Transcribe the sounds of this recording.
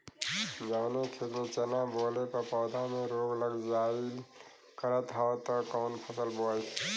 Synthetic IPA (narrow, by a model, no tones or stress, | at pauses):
d͡ʒaːnekʰet̪met͡ʃənabolepəpɔːd̪ʱamẽɾoɡləɡd͡ʒai | kəɾət̪ɦat̪ɔkɔːnpʰəsəlboe